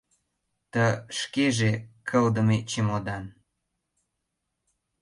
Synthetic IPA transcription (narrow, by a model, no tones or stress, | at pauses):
t̪ə̆ʃkeʒekʰə̆ld̪ə̆met͡ɕemod̪ɑn